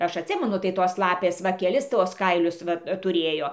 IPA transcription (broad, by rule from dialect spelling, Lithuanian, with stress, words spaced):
ˈɐʃ ɐtʲˈsʲɪmʲɛnʊ tɐɪ ˈtoːs ˈlˠɑːpʲeːs ˈʋɐ ˈkʲæːlʲɪs ˈtuɔs ˈkɐɪlʲʊs ˈʋɐ tʊˈrʲeːjoː